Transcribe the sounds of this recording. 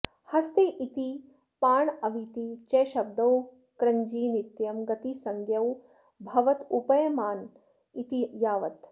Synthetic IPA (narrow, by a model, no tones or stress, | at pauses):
hɐst̪eʔit̪i | paːɳɐʋit̪it͡ʃeːʃɐb̚d̪ɐw | kɾɐɲd͡ʒiːnit̪jɐmɡɐt̪isɐŋɡjɐw | bʱɐʋɐt̪upɐjɐmaːn | it̪ijaːʋɐt̪